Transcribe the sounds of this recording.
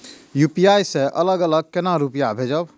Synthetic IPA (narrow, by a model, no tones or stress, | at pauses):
jupijajsẽʔələɡələɡ̚kenaɾupijabʱed͡ʒəb